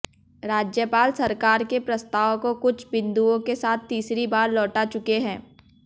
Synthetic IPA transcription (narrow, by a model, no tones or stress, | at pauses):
ɾaːd͡ʒjəpaːlsɐɾkaːɾkepɾɐst̪aːʋkokʊt͡ʃʰbɪ̃nd̪uõkesaːt̪̚ʰːiːsɾibaːɾlɔːʈat͡ʃʊkeɦɛ̃ː